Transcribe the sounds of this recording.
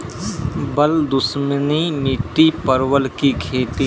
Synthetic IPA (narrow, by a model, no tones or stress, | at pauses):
bəld̪ʊsməniniːt̪ipəɾwəlkikʰeːt̪i